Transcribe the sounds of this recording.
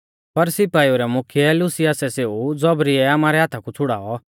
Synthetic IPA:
pɐɾsɪpaːioɾɛmʊkʰɪjɛlʊsɪjasɛseːud͡zɔbɾiɛaːmaːɾɛɦaːt̪ʰakut͡sʰʊɽa̰ːɔ

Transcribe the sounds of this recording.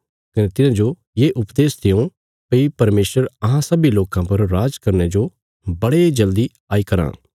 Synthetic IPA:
kɐnet̪ɪnãd͡ʒo | jeːʔʊpd̪eːsd̪ʰɪjõ | pɐipɐɾmeːsəɾɐɦãsɐbiloːkãpɐɾːaːd͡ʒkɐɾnɛd͡ʒo | bɐɽed͡ʒɐld̪i | aːikɐɾã̰ː

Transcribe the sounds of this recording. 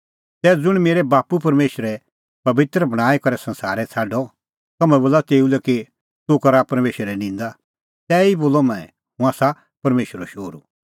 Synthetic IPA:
t̪ɛːd͡zʊɽ̃meːɾɛbaːpupɐɾmeːʃəɾɛ | pɐbɪt̪ɾəbɐɽ̃aːikɔɾɛsɐ̃nsa̰ːɾɛt͡sʰaːɖɔ | k̪ɐmɛ̃boːlːat̪eːulɛki | t̪ʊkɐɾapɐɾmeːʃəɾɛnɪ̃ːnd̪a | t̪ɛːiboːlɔmɛ̃ɛ̃ | ɦũaːsa | pɐɾmeːʃəɾɔʃoːɾṵ

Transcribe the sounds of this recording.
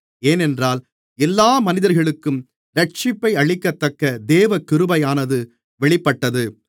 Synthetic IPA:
eːnɛndraːl | ɛlːaːmɐnɪðɐɾɣɐɭɯkːɯm | ɾɐʈ̚t͡ʃɪpːɐɪɐɻɪkːɐt̪ːɐkːɐd̪eːʋɐkɪɾɯbɐjaːnɐðɯ | ʋɛɭɪpːɐʈːɐðɯ

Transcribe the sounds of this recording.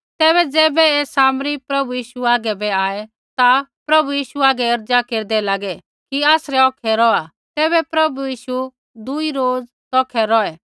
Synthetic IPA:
t̪ɛːbɛd͡zɛːbɛeːsaːmɾipɾɐbujiːʃuaːɡɛbɛaːɛ | t̪apɾɐbujiːʃuaːɡɛɐɾd͡zakeːɾd̪ɛlaːɡɛ | kiaːsɾɛɔːkʰɛɾɔa | t̪ɛːbɛpɾɐbujiːʃu | d̪uiɾoːd͡z | t̪ɔːkʰɛɾɔɛ

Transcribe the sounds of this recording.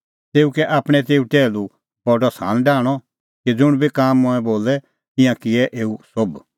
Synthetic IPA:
t̪eːukɛʔaːpɽ̃ɛt̪̬eːuʈɛːlu | pɔɖɔsa̰ːnɖaːɽ̃ɔ | kid͡zʊɽ̃bʱikaːmːʊ̃ɛ̃boːlɛ | t̪ɪ̃jãkɪɛʔeːusob

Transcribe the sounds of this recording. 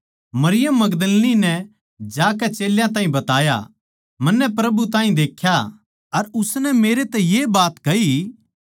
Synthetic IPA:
mɐɾɪjəmːɐɡd̪əlninɛ | d͡ʒaːk̬ɛt͡ʃeːljãt̪ãːĩbɐt̪aːja̰ | mɐnːɛp̬ɾɐbut̪ãːĩd̪eːkʰja | ɐɾʊsnɛmeːɾet̪ɛjebaːt̪kɐi

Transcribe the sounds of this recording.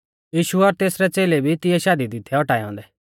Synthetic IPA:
jiːʃuɔːɾt̪eːsɾɛt͡seːlebʱit̪ɪjɛʃaːd̪id̪ɪt̪ʰːɛɔʈaːjɔ̃ːnd̪ɛ

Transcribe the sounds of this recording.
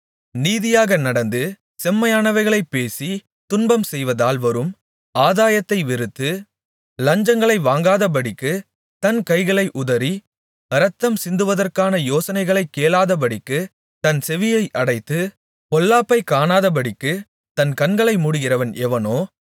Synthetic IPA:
niːðɪjaːɣɐnɐɽɐnd̪ɯ | sɛmːɐjaːnɐʋɐɪɣɐɭɐɪpːeːsi | t̪ʊnbɐmsɛjʋɐðaːlʋɐɾɯm | aːðaːjɐt̪ːɐɪʋɪɾɯt̪ːɯ | lɐɲd͡ʒɐŋɡɐɭɐɪʋaːŋɡaːðɐp̬ɐɽɪkːɯ | t̪ɐnkɐɪɣɐɭɐɪʔʊðɐɾi | ɐɾɐt̪ːɐmsɪnd̪ɯʋɐðɐrkaːnɐjoːsɐnɐɪɣɐɭɐɪkːeːlaːðɐp̬ɐɽɪkːɯ | t̪ɐnsɛʋɪjɐɪʔɐɽɐɪt̪ːɯ | pɔlːaːpːɐɪkːaːnaːðɐp̬ɐɽɪkːɯ | t̪ɐnkɐnɡɐɭɐɪmuɽɯɣɪrɐʋɐnʔɛʋɐnoː

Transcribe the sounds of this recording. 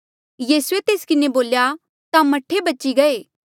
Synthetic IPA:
jiːsʊet̪eːskɪneboːlja | t̪amɐʈʰːebɐːt͡ʃiɡɐeː

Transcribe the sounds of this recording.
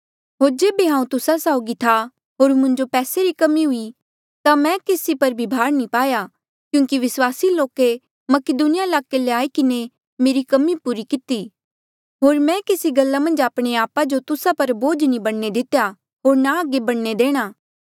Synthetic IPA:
ɦoːɾd͡ʒeːbeɦãːũt̪ʊsasaːʊɡit̪ʰa | ɦoːɾmʊ̃ɲd͡ʒopɛːseɾikɐmiɦʊi | t̪amɛ̃keːsipɐɾbʱibʱaːɾnĩpaːja | kjũːŋkiʋɪswaːsiloːke | mɐkɪd̪unɪjaɪlaːkeleaːikɪne | meːɾikɐmipuːɾikɪt̪iː | ɦoːɾmɛ̃kesiɡɐlːamɐ̃nd͡ʒaːpɽ̃eaːpad͡ʒot̪ʊsapɐɾboːd͡ʒnĩbɐɽned̪ɪt̪ja | ɦoːɾnaəɡebɐɽned̪eːɽ̃aː

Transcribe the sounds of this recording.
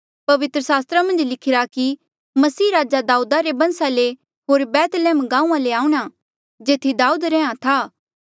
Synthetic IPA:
pɐʋɪt̪ɾəsaːst̪ɾamɐ̃nd͡ʒlɪkʰɪɾaki | mɐsiːɾaːd͡ʒad̪aːuːd̪aɾebɐ̃nsale | ɦoːɾbɛːt̪lɛːmɡãːũːãleaːuɽ̃a | d͡ʒeːt̪ʰid̪aːuːd̪ɾɛ̃ːãt̪ʰaː

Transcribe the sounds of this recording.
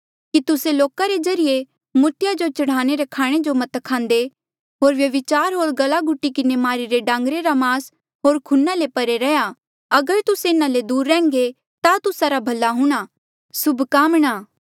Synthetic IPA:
kit̪ʊseloːkaɾed͡ʒɐɾɪje | mʊɾt̪ɪjad͡ʒot͡ʃɐɽ̤aːɽ̃eɾɐkʰaːɽ̃ed͡ʒomɐt̪kʰãːnd̪e | ɦoːɾʋjɐʋɪt͡ʃaːɾɦoːɭɡɐlaɡʊʈːikɪnemaːɾiɾeɖãːŋɡɾeɾamaːs | ɦoːɾkʰʊnːalepɐɾeɾɛja | ɐɡəɾt̪ʊseɪnãled̪uːɾːɛ̃ːŋɡe | t̪at̪ʊsaɾabʱɐlːaɦʊ̃ɽ̃a | sʊbʱkaːmɽ̃aː

